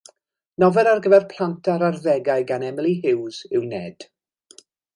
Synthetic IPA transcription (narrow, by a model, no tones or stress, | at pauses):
nɔvɛɾarɡəvɛrpʰl̥ˠantʰaɾarðɛɡajɡanɛmɪlˠiɦɪwzɪwnɛːd̥